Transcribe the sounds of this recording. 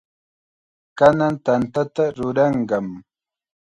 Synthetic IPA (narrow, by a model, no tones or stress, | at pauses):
kanant̪ant̪at̪aɾʊɾɑɴɢɑm